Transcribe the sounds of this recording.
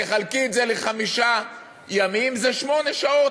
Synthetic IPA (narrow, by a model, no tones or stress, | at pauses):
eχalkiːtzeleχamiʃa | jamimzeʃmo̞neʃao̞